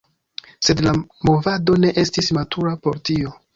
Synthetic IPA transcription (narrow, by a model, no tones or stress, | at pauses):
se̞dlamo̞vado̞ne̞ʔe̞stismatʰuɾapo̞ɾtio̞